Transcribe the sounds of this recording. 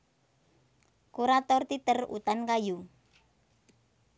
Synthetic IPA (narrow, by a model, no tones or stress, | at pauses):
kuɾat̪ɔrt̪it̪ərṵt̪ankaju